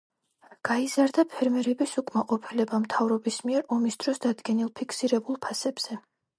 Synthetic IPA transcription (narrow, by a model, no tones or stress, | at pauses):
ɡ̥aizaɾd̪apʰɛɾmɛɾɛbisukʼmaqʼɔpʰilɛbamt̪ʰavɾɔbismiɛɾɔmisd̪̥ɾɔsd̪ad̪ɡɛnilˠpʰikʰsiɾɛbulˠpʰasɛbz̥ɛ